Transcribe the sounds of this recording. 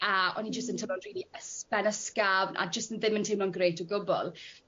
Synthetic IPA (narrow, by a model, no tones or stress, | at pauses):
aɔ̰nid͡ʒəstəntʰənɔnr̥iːlˠiəspɛnəskavnʔa̰d͡ʒəstənðɪməntʰewmnlɔnɡrejtʰɔɡʊbɔ̰lˠ